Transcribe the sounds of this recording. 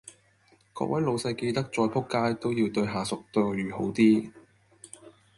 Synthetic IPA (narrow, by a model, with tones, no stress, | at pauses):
kɔ̰ː˧k̚wʔɐ˨˥jlo˨˧wsɐ˧jke˧jt̪ɐ˥k̚t͡sɔː˧jpʰʊ˥kːaː˥jt̪o˥wjiː˧wt̪ɵ˧ɥɦaː˨˩sʊ˨k̚t̪ɵ˧ɥyː˨˩ho˨˥wt̪iː˥